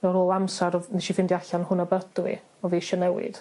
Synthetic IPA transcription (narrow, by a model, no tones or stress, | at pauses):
nɔɾoːlˠamsaɾɔnɛʃifɪndiaɬanhʊnɔbədwḭ | ɔviːʃɔnɛwɪ̰d̥